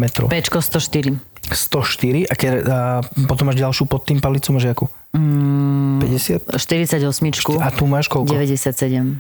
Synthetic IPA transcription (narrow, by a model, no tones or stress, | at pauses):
mɛt̪ɾɔ̰pɛt͡ʃkɔst̪ɔʃt̪iɾist̪ɔʃt̪iɾiʔakɛ | pɔt̪ɔmːaːʒɟalʃuːpɔt̪ːiːmpalit͡sumʒɪaku | pɛɟɛsɪat̪ʃt̪iɾit͡saɟɔsmit͡ʃkuat̪umaːʃkɔlɟɛʋɛɟɛsɪat̪sɛɟɛm